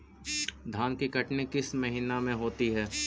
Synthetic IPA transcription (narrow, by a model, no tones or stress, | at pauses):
d̪ʱaːnkikɐʈnekɪsmɐɦinamẽɦoːt̪iɦɛː